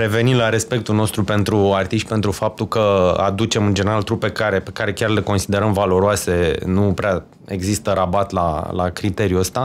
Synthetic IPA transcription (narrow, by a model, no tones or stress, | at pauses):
ɾe̞ve̞nimlaɾe̞spe̞k̚t̪ulno̞st̪ɾupe̞nt̪ɾuart̪iʃt̪̚ʲpe̞nt̪ɾufap̚t̪ukəa̰d̪ut͡ʃe̞mɨnd͡ʒeneɾalt̪ɾupe̞kaɾe̞pe̞kaɾe̞kʲarle̞ko̞nsid̪e̞ɾəmvalo̞ɾoase̞nupɾea | e̞ɡzist̪əɾabat̪la̰la̰kɾit̪e̞ɾjuəst̪a